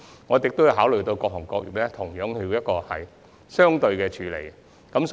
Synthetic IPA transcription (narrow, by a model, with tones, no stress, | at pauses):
ŋɔː˨˧t͡sɪ˨˩k̚t̪o˥wji˨˧ɦaː˨˥wlɵ˨˩ɥt̪o˧wkɔː˧k̚hɔː˨˩ŋkɔː˧k̚jy̰˨˩lɛ˥t̪ʰʊ˨˩ŋjœː˨˥ŋhi˧jɐ˥t̚kɔː˧hɐ̰˨j | sœː˥ŋt̪ɵ˧ɥkɛː˧t͡ʃʰyː˨˥lḛ˨˩j | kɐ˨˥ms